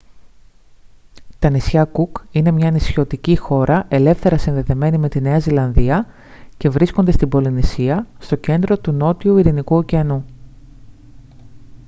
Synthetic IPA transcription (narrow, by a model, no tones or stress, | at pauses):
t̪ɐnisçɐkukine̞mɲɐnisço̞t̪icixo̞ɾʔɐʔe̞le̞fθe̞ɾɐsinðe̞ðe̞me̞nime̞t̪ine̞ɐzilɐnðiɐ | ce̞vɾiskond̪e̞st̪ibo̞linisiɐst̪o̞ce̞nd̪ɾo̞t̪uno̞t̪iuiɾinikuociɐnu